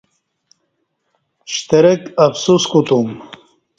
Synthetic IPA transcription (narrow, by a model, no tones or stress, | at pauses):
ɕt̪eɾekɐfsuskut̪um